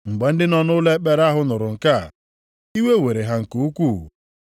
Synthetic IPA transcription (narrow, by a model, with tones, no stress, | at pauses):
ŋ͡m̩˨ɡ͡be˨n̩˦dɪ˦nɔ˦nʊ˦le˦k͡pe˦ɾa˦ɦʊ˦nʊ˨ɾʊ˨ŋ̩˨ka̰˦˨ | i˦we˦we˨ɾe˨ɦa˨ŋ̩˨ku˨u˦kʷu˦˨